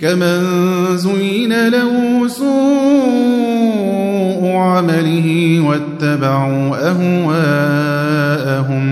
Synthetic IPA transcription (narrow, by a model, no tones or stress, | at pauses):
kaman | zʊjɪnalahʊʊsuː | ʔʊʕamalɪɦɪwat̪ːabaʕuːʔaɦwaː | ʔaɦʊm